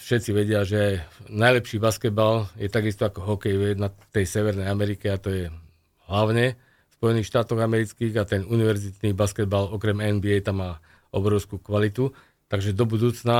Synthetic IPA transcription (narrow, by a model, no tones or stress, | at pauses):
fʃɛt͡siʋɛɟɪaʒɛajnajlɛpʃiːbaskɛd̪baljɛt̪aɡist̪ɔakɔɦɔkɛjʋɛnat̪ɛjsɛʋɛɾnɛjamɛɾikɛat̪ɔjɛ | ɦlaʊɲɛ | spɔjɛniːxʃt̪aːt̪ɔɣamɛɾit͡skiːɣat̪ɛnuniʋɛɾzit̪nibaskɛd̪̚balɔkɾɛmɛnbiɛjt̪amːaː | ɔ̰bɾɔʊskukʋalit̪u | t̪aɡʒɛd̪ɔbud̪uːt͡sna